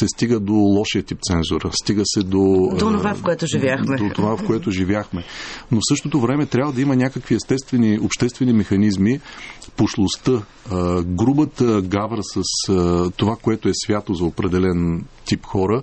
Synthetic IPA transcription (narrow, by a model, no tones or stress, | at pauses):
sɛst̪iɡəd̪olˠɔʃijət̪ip̚t̪sɛnzʊɾəst̪iɡəsɛd̪od̪oonovafkoɛt̪ʊʒivʲjaxmɛd̪ot̪ovafkoɛt̪ʊʒivʲjaxmɛnofsɤʃt̪ot̪ovɾɛmɛt̪ɾʲabvəd̪ɐimənʲakəkviɛst̪ɛst̪vɛniopʃt̪ɛst̪vɛnimɛxɐnizmipoʃlˠost̪ə | ɡɾubət̪əɡavɾəsəst̪ovakoɛt̪oɛsvʲjat̪ozɐopɾɛd̪ɛlɛnt̪ipxɔɾə